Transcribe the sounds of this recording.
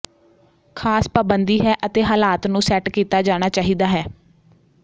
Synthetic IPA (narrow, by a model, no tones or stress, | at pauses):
kʰaːspaːbənd̪iːɦɛːʔət̪eːɦaːlaːt̪nũːsɛːʈkiːt̪aːd͡ʒaːɽ̃aːt͡ʃaːɦiːd̪aːɦɛː